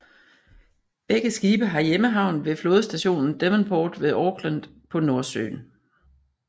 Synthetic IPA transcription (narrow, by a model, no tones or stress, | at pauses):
b̥eɡ̥əsɡ̥iːb̥əɦɑ̈jeməɦɑ̈ʊ̰n̩ʋe̝flo̝ːðˠsd̥æɕo̝̰ːnn̩d̥emənbʰɔːd̥ʋe̝ðˠɒːɡ̥læn̰ | pʰɒ̽no̝ɐsø̰ːn